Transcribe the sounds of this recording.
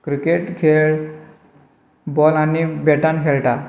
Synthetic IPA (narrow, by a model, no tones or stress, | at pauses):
kɾikeʈkʰeɭ | bɔlanibeʈankʰeɭʈa